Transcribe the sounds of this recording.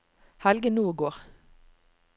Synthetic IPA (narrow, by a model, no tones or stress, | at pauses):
hɛlɡənuːɡoːʁ